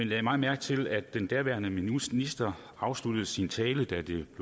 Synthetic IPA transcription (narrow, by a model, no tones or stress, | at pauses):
enlɛɪmɑ̈ːmæɐɡ̥t͡sʰe̝læd̥ːend̥æɐʋæɐnəminisd̥ɐ | ɑ̈ʊslud̥əð̩ˠsint͡sʰɛːləd̥æd̥e̝b̥